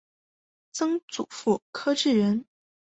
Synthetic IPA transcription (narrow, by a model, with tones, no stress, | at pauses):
t͡sɤ˥ŋt͡sṵ˨˩fu˥˩kʰɤ˥ʈ͡ʂɻ̩˥˩ɥə˧˥n